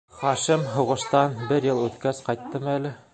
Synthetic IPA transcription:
χɒʃɘmɦŏʁɤ̆ʃt̪ɑnbɘɾjɤlˠʉθkæsqɑjt̪ːɤmælɘ

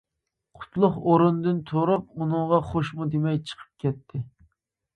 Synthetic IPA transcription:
qʰʊ̥t̪ʰlˠʊχoɾund̪ɨnt̪ʰoɾup̚unɨŋʁɑχoʃmud̪emɛjt͡ʃʰə̥qʰə̥p̚kʲɛt̪ʰːɪ

